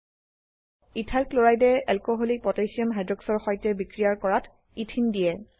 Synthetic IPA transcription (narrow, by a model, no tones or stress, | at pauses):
itʰaɹkloɹajdɛɛlkɔɦolik̚pɔtejsiɔmɦajdɹɔksɔɹxɔjtɛbikɹijaɹkɔɹatʰ | itʰindijɛ